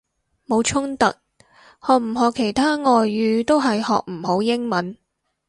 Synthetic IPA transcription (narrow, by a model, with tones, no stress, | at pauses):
mo˨˧wt͡ʃʰʊ˥ŋt̪ɐ̰˨k̚ | hɔː˨k̚m̩˨˩ɦɔː˨˧kʰːe˨˩jt̪ʰaː˥ŋɔː˨jːyː˨˧t̪o˥wɦɐ˨jhɔ̰ː˨k̚m̩˨˩ho˨˥wjɪ˥ŋmɐ˨˥n